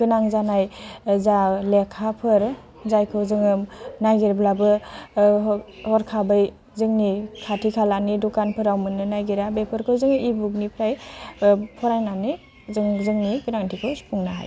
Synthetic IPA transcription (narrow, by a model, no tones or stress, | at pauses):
ɡ̥ɯnaŋzanajzalekʰapʰɯɾ | zajkʰɯzɯŋɯmnajɡeɾblabɯ | hɔɾkʰabɯj | zɯŋnikʰatʰikʰalanidukanpʰɯɾawmɯnɯnajɡeɾabepʰɯɾkʰɯzɯŋibuk̚nipʰɾaj | pʰɔɾajnani | zɯŋzɯŋniɡɯnaŋtʰikʰɯwspʰuŋnaɦa̰j